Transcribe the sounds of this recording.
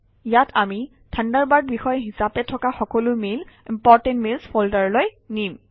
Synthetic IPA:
jatʰami | tʰandaɹbad̚bixɔjɦisapɛtʰɔkaxɔkɔlʊmelimpɔɹtɛ̃ntmilsfoltaɹloj | nim

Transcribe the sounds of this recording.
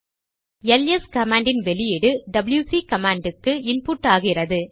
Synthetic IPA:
ɛlɛskɐmaːɳɖɪnʋɛlɪjɪɽɯɖɐbɪljuːsikɐmaːɳɖɯkːɯɪnpuːʈːaːɣɪrɐðɯ

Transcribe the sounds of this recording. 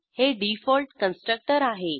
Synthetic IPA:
heɖifɔlʈkə̃nsʈɾək̚ʈəɾaɦe

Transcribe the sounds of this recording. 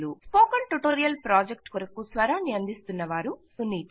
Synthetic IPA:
luspoːkɐɳʈuʈoːɾijɐlpɾaːd͡ʒek̚ʈkuɾɐkusʋɐɾaːniɐnd̪ʱist̪unːɐʋaːɾusunːiːt̪

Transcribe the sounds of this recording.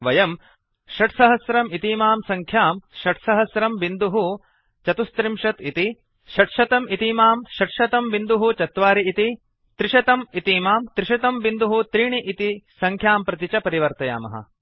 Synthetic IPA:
ʋɐjɐm | ʃɐʈsɐɦɐsɾɐmit̪iːmaːmsɐŋkʰjaːmʃɐʈsɐɦɐsɾɐmʋind̪uɦu | t͡ʃɐt̪ust̪ɾimʃɐt̪it̪i | ʃɐʈʃɐt̪ɐmit̪imaːmʃɐʈʃɐt̪ɐmʋind̪uɦut͡ʃɐt̪ʋaːɾiit̪i | t̪ɾiʃɐt̪ɐmit̪imaːmt̪ɾiʃɐt̪ɐmʋind̪uɦut̪ɾiːɳiʔit̪isɐŋkʰjaːmpɾɐt̪̬it͡ʃɐpɐɾiʋɐɾt̪ɐja̰ːmɐ̰ɦɐ̰

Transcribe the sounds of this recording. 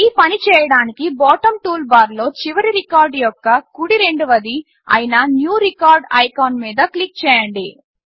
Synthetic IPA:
iːpɐnit͡ʃɛːjɐɽaːnikibɔːʈɐmʈuːlbaːɾlo̞ːt͡ʃiʋɐɾiɾikaːɾɖjɔkːɐkuɽiɾe̞ɳɖuʋɐd̪i | ɐ̰jinɐnjuːɾikaːɾɖɐ̰jkoːnmiːd̪ɐklik̚t͡ʃɛːjɐɳɖi

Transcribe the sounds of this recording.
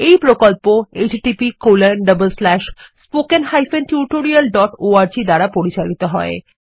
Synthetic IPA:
ejpɾokolpoed͡ʑʈipikolenɖəbəlslɛʃspokenhajfent̪juɾʈoɾialɖɔʈoaɾd͡ʑid̪aɾapoɾit͡ɕalit̪oɦɔe

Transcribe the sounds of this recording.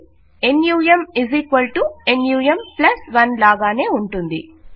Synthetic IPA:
enjuːjɐmiziːkʋɐlʈuenjuːjɐmplɐsʋɐnlaːɡaːne̞ːuɳʈund̪ḭ

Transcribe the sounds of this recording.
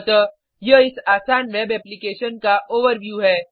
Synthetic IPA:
t̪ə | jeɪsaːsaːnʋeːbɛːplikeːʃənkaʔoːʋəɾʋjuːɦɛː

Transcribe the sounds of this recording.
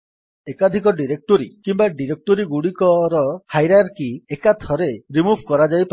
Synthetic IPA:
ekad̪ʱikɔɖiɾek̚ʈoɾḭkimbaɖiɾek̚ʈoɾiɡuɽikɔɾɔhajɾaɾkiekat̪ʰɔɾeɾimubʱkɔɾad͡ʒajp

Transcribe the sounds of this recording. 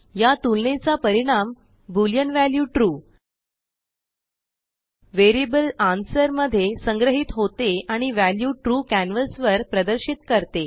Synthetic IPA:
jat̪ulnet͡sapəɾiɽ̃am | buljənʋæljuːʈɾuː | ʋeɾibəlansəɾməd̪ʱːjesə̃ŋɡɾəɦit̪ɦot̪eaɽ̃iʋæljuʈɾuːkænʋəlsʋəɾpɾəd̪əɾɕit̪kəɾt̪e

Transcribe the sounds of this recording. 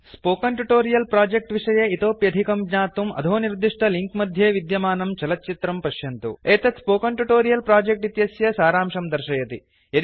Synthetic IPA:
spoːkɐɳʈuʈoːɾijɐlpɾaːd͡ʒek̚ʈʋiʂɐjɐit̪oːpjɐd̪ʱikɐmɡɲaːt̪umɐ̰d̪ʱoːniɾd̪iʂʈɐliŋkmɐd̪ʱjeːʋid̪jɐmaːnɐmt͡ʃɐlɐtːt͡ʃit̪ɾɐmpɐʃjɐnt̪ṵeːt̪ɐt̪spoːkɐɳʈuʈoːɾijɐlpɾaːd͡ʒek̚ʈit̪jɐsjɐsaːɾaːmʂɐmd̪ɐɾʂɐjɐt̪i | ɐ

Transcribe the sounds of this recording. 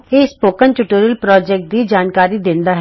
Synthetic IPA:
eːspoːkənʈʊʈuːɾjəlpɾɔːd͡ʒɛk̚ʈ̚d̪ʱid͡ʒaːnkaːɾid̪ẽːnd̪aɦ

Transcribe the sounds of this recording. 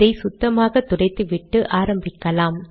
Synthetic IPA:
ɐɪsʊt̪ːɐmaːɣɐt̪ːʊɽɐɪt̪ːɯʋɪʈːɯʔaːɾɐmbɪkːɐlaːm

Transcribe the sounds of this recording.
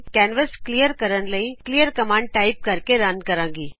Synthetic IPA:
kɛːnʋəsklijəɾkəɾənləĩklijəɾkɐmãːɳɖ̚ʈaːɪp̚kəɾkeɾaːnkɐɾãːŋɡiː

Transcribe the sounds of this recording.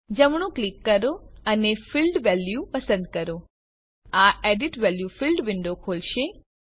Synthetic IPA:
d͡ʒəmɽ̃ũklikːəɾoənefilɖʋɛljupəsə̃nd̪̚kəɾo | aeɖiʈʋɛljufilɖʋɪɳɖokʰolʃe

